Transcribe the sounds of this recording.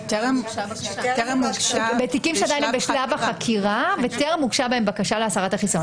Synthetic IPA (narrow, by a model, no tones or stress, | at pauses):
muɡbet̪ikimʃead̪ajnembeʃllavaχakʰiʁaveteʁamuɡʃabaembakaʃaleasaʁat̪aχison